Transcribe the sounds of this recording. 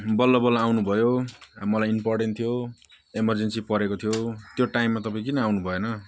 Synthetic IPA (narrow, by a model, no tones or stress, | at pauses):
bʌlːʌbʌlːaawnubʱʌjoamʌlajimporʈent̪ʰijo | emʌrd͡zensipʌɾekot̪ʰijot̪joʈajmːat̪ʌpaĩk̬inʌawnubʱʌonʌ